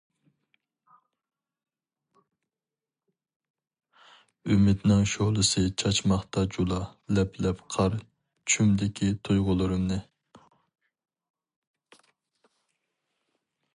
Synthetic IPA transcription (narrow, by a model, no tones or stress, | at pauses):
ymɪd̪nɪŋʃoʁlˠɨsɨt͡ʃʰɑt͡ʃmɑχt̪ɑd͡ʒulˠɑlɛpʰlɛpqʰɑɾ | t͡ʃʰymd̪ɪkʲʰit̪ʰujʁʊlˠɨɾɨmnɨ